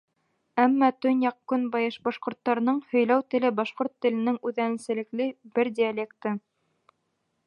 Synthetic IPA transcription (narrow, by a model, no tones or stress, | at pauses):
æmːɑt̪ɵnjɑqkːɵnbɑjɤʃbɑʃqŏɾt̪ːɑɾɤ̆nɤɴhɵ̆jlæwt̪ɘ̆lɘbɑʃqoɾt̪ːɘ̆lɘ̆nɘŋʉðænɘ̆sɘ̆lɘ̆klɘbɘɾd̪ʲialʲekt̪ɤ